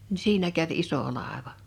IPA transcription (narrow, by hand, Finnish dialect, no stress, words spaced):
ni siːnæ kæʋ iso lɑˑeʋɑ